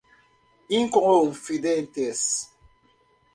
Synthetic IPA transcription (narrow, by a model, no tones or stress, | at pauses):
iŋkɔŋonfidɛntɛs